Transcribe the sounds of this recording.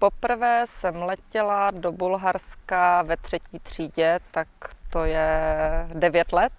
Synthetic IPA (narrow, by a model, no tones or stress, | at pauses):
po̞pr̩vɛːsɛmlɛcɛladobulɦaɾskavɛt̪r̝̥ɛciːt̪r̝̥iːɟɛt̪akt̪ojɛ | dɛvjɛt̪lɛt̪̚